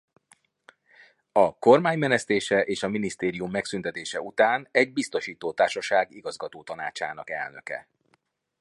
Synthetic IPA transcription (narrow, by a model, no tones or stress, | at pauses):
ɒko̞rmaːɲmɛnɛst̪eːʃɛʔeːʃɒminist̪eːɾijumːɛksynt̪ɛt̪eːʃɛut̪aːnɛɟ̚bist̪o̞ʃiːt̪oːt̪aːrʃɒʃaːɡiɡɒzɡɒt̪oːt̪ɒnaːt͡ʃa̰ːnɒ̰kɛ̰lnø̞̰kɛ̰